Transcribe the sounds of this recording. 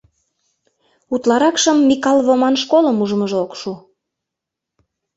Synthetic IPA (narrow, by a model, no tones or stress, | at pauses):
ut̪lɑɾɑkʃəmːikɑlβomɑnʃkoləmuʒəməʒeokʃu